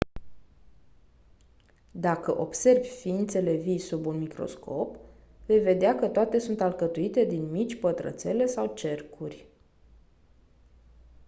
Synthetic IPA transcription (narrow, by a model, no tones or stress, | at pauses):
d̪akəʔo̞bse̞rvʲfiint̪se̞le̞visubunmikɾo̞̰skʰo̞p | ve̞jve̞d̪eakət̪oat̪e̞sunt̪alkət̪uit̪e̞d̪inmit͡ʃʲpət̪ɾə̰t̪se̞le̞sawt͡ʃe̞rkʰurʲ